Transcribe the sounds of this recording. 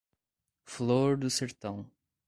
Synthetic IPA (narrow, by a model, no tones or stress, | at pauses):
floɾd̪useɾt̪ɐ̃w̃